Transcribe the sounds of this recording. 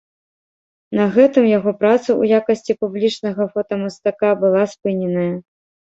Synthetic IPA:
nɐɣɛt̪ɨmjaɣɔpɾat̪suṵjakɐsʲt͡sʲipublʲit͡ʂnɐɣɐfɔt̪ɐmɐst̪akabɨlˠaspɨnʲɛnɐjɐ

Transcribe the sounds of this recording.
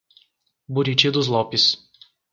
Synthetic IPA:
bʊɾʲit͡ʃʲid̪ʊs̬lˠɔpʲis

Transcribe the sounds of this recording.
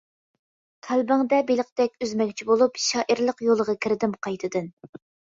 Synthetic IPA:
t̪ʰælbɪŋd̪ɛbelˠəq̚t̪ɛkʲøzmɛɡʲt͡ʃʰibolˠupʃɑːʔiɾlˠəqjolˠəʁɑkʲʰiɾɪd̪ɪmqʰɑjt̪ʰɨd̪ɨn

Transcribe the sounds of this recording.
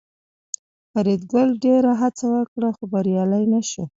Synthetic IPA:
faɾid̪ɡəlɖeɾaɦat͡sawəkɽaxobaɾjɑlajnaʃu

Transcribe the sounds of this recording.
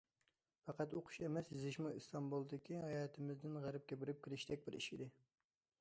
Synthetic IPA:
fɑqɑt̪oqʰʊ̥ʃemɛsjizɪʃmuist̪ɑmbulˠd̪ɪkʲʰihɑjɑt̪ʰɪmɪzd̪ɪnʁæɾɪp̚kʲebɪɾɪp̚kʲʰiɾɪʃt̪ɛk̚ʲbɪɾḭʃid̪ɪ

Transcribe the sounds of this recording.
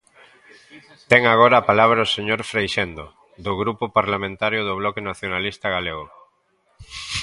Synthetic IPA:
t̪ɛŋaɣ̞oɾaːpalaβ̞ɾaoseɲoɾfɾejʃend̪o | d̪ʊɣɾupʊpaɾlamẽnt̪aɾjʊðʊβ̞lɔkenaθjonalist̪aɣaleɣo

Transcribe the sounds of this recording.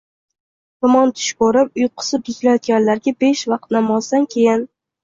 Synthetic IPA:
vʊmɒnt̪ʰʊ̥ʃkoɾɪp̚ʊjqʰɨ̥sɪp̪̚ɪzʲlajɒt̪̚ɡʲanlaɾɡʲabe̞ʃvɑqt̪namɒzd̪ankʲʰe̞jɪn

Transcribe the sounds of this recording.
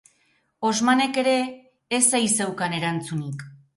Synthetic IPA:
o̞zmane̞ke̞ɾe̞ː | sajse̞wkane̞ɾant͡sunik

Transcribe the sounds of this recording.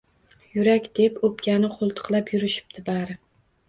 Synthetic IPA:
jʊɾakʲd̪̥epopkʲanɪqʰolˠt̪ʰɨ̥qlˠapjʊɾɪʃɪ̥p̚d̪ʰɪbaɾɪ

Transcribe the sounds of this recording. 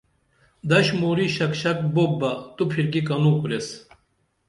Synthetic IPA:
d̪ɐɕmoɾiɕɐkɕɐk̚bok̚bɐt̪upʰiɾkikɐnuːkuɾes

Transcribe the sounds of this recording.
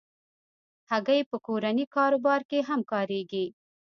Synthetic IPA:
haɡajpəkoɾanikɑɾobɑɾkeɦamkɑɾeɡi

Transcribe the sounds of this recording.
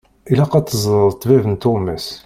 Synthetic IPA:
ilæqɑt̪ˤːəzˤɾˤt̪ˤːvævənt̪oməs

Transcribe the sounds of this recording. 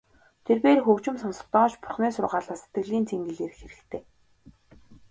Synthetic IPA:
t̪ʰerpeːrxɵkt͡ɕɪ̆msɔnsɞ̥̆t̪ɔːt͡ɕpʊ̥rχnæːsʊrʁaːɮaːse̥t̪ɡɘ̆ɮiːnt͡sʰeŋɡɘ̆ɮeːrxeɾɘ̆kt̪ʰeː

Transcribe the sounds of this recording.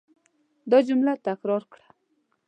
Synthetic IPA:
d̪od͡ʑumlat̪akɾɑrkɽa

